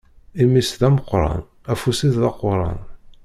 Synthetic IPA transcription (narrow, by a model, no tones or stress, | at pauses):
imisðæməqːɾˤɑ̰n | æfusiððɑqːʊɾˤɑ̰n